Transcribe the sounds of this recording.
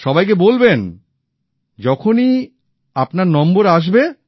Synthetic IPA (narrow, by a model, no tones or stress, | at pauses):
ʃɔbajk̬ebolben | d͡ʑɔkʰoni | apnaɾnɔmboɾaʃ̬be